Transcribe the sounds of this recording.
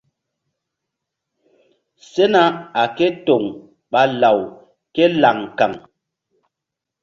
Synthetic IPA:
se˦na˦a˨ke˦to˨ŋ | ɓa˦la˨w | ke˦la˨ŋka˨ŋ

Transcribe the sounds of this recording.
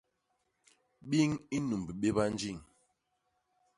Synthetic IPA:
ɓi˦ŋi˦nu˨m˨bi˨ɓe˦ba˦n˦d͡ʒi˦˨ŋ

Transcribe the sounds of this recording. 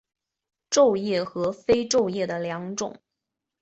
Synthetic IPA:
ʈ͡ʂo˥˧ʊjɛ˥˩xɤ˧˥fe˥ɪʈ͡ʂo˥˧ʊjɛ˥˩d̪ə˩ljɑ˧˥ŋʈ͡ʂʊ̰˨˩˦ŋ

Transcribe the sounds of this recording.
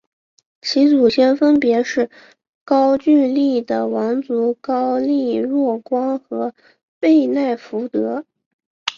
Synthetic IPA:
t͡ɕʰi˧˥t͡su˨˩ɕjɛ˥˩nfə˥npjɛ˧˥ʂɻ̩˥˩ | kɑ˥ʊt͡ɕy˥˧li˥˩d̪ə˩wɑ˧˥ŋt͡su˧˥kɑ˥ʊli˥˧ɻwɔ˥˩kwɑ˥ŋxɤ˧˥ | pe˥˧ɪna˥˩ɪfu˧˥t̪ɤ˧˥

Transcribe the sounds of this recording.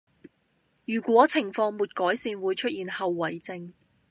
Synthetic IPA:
jyː˨˩kʷwɔː˨˥t͡sʰɪ˨˩ŋfɔː˧ŋmuː˨t̚kɔː˨˥jsiː˧nwuː˨˧jt͡ʃʰɵ˥t̚jiː˨˧nhɐ˨wːɐ˨jt͡sɪ˧ŋ

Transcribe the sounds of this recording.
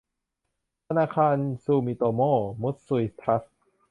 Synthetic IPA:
t̪ʰa˧naː˧kʰaː˧nsuː˧miː˧t̪oː˧moː˥˩mu˦˥t̪̚su˧i˦˥t̪ʰa˦˥s

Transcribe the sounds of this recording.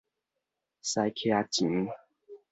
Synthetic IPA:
sa˧jkʰja˧t͡ɕi˨˦ŋ

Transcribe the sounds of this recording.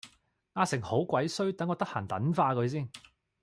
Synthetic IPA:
ŋaː˧sɪ˨˩ŋho˨˥wkʷwɐ˨˥jsɵ˥ɥt̪ɐ˨˥ŋːɔː˨˧t̪ɐ˥k̚ha̰ː˨˩nt̪ɐ˨˥nfaː˧kɵ˨˧˥js̬iː˥˩n

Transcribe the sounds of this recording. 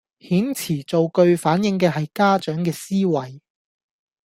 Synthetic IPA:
hiː˨˥nt͡sʰiː˨˩t͡so˨wkɵ˧ɥfaː˨˥njɪ˨˥ŋkɛː˧ɦɐ˨jkaː˥t͡ʃœː˨˥ŋkɛː˧siː˥wɐ˨j

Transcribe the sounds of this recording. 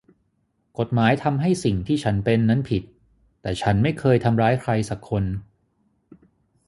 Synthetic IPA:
ko˨˩t̪̚maː˩˦jt̪ʰa˧mɦa˥˩jsi˨˩ŋt̪ʰiː˥˩t͡ɕʰa˦˥npe˧nːa˦˥npʰi˨˩t̪ː | ɛː˨˩t͡ɕʰa˦˥nma˥˩jkʰɤː˧jt̪ʰa˧mɾaː˦˥jkʰɾa˧jsa˨˩kʰːo˧n

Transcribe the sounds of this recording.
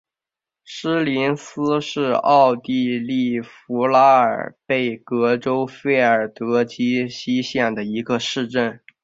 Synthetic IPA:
ʂ̩˥li˧˥nsɹ̩˥ʂɻ̩˥˧ɑ˥˧ʊt̪i˥˧li˥˩fu˧˥la˥ə̰˞˨˩pe˥˩ɪkɤ˧˥ʈ͡ʂo˥ʊfe˥˩ɪə˞˨˩t̪ɤ˧˥t͡ɕi˥ɕi˥ɕjɛ˥˩nd̪ə˩i˧˥ɡə˧ʂɻ̩˥˧ʈ͡ʂə˥˩n

